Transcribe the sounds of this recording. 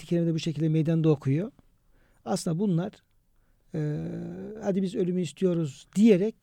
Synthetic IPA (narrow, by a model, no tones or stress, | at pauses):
icʰeimed̪ɛbuʃecʰilʲd̪ɛmejd̪and̪okʰujo | asɯnd̪abunlˠaɾ̥ | ɯːhad̪ibizø̞lʲymyist̪ʰijo̞ɾuzd̪ijeɾɛc